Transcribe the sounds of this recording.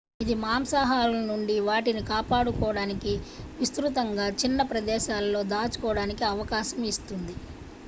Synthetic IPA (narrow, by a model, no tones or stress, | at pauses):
id̪imaːmsaːɦaːlɐnuɳɖiʋaːʈinikaːpaːɽukɔːɽaːnikiʋist̪ɾut̪ɐŋɡaːt͡ʃinːɐpɾɐd̪ɛːʃaːlːo̞ːd̪aːt͡ʃu̥kɔːɽaːnikiɐʋɐkaːʃɐmist̪und̪i